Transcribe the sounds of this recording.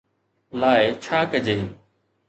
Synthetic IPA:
laːet͡ʃʰaːkəd͡ʒeː

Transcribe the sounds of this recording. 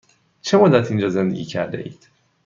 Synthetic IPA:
t͡ʃʰe̞mod̪æt̪ʰind͡ʒɒːzend̪eɡʲɟiːcʰæ̰ɾd̪ḛʔḭːd̪̥

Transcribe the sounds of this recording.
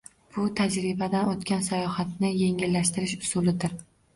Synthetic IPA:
b̥ʊt̪ʰad͡ʒɾɪbad̪anot̪kʲansajɒhat̪nɪje̞ŋɪlːaʃt̪ɪɾɪʃʊ̥sulɪd̪ɪɾ

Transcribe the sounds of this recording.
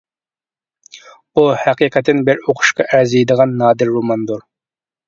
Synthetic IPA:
uhæqiqɛt̪ʰːɪnbɪɾoqʰʊ̥ʃqɑʔæzejd̪əʁɑnːɑːd̪ɪɾːomɑnd̪uɾ

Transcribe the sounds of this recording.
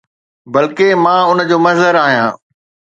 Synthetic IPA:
bɐlkemãːʊnəd͡ʑoːmɐzəɾaːɦijãː

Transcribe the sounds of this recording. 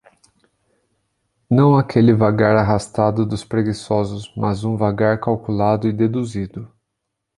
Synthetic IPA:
nɐ̃w̃akʰelɪvaɡaɾaɦast̪ad̪ʊd̪ʊspɾeɡisɔzʊsmazũvaɡaɾkawkulad̪ʊɪd̪ed̪uzid̪ʊ

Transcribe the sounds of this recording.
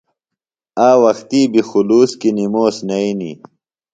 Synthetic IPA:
aːwɐxt̪iːbixuluːskinimoːsnɐinḭ

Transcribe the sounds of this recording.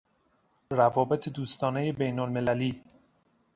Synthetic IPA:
rævɒːbe̞t̪ʰed̪uːst̪ɒːne̞je̞bejnolme̞læliː

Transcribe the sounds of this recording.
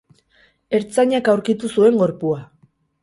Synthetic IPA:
e̞ɾt͡saɲakawɾkit̪usue̞ŋɡo̞ɾpua

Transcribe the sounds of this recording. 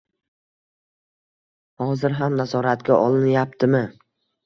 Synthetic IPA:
hɒzɪɾɦamnazɒɾat̪̚ɡʲaʔɒlˠɪnjap̚t̪ʰɪmɪ

